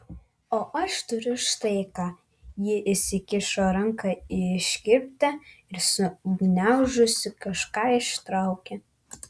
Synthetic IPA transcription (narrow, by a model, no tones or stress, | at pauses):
oːʔɐʃt̪ʊɾʲʊʃt̪ɐɪkɑː | jɪʔɪsʲɪkʲɪʃoːɾɐŋkɑɪɪʃʲkʲɪpʲpʲt̪ʲɛɪɾsʊɡnʲæʊʒʊsʲɪkɐʃkɑːɪʃt̪ɾɐʊkʲɛ